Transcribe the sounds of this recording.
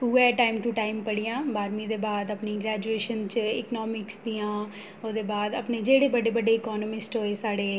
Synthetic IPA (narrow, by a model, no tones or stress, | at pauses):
uːɛːʈaːɪmʈuʈaːɪmpəɽijãːbaːɾmiːd̪eːbaːd̪əpniːɡɾɛːd͡ʒueːʃənt͡ʃɪ̰knɔːmɪksd̪iːãː | oːd̪eːbaːd̪əpneːd͡ʒeːɽeːbəɖeːbəɖeːɪkɔːnəmɪsʈɦoːeːsaːɽeː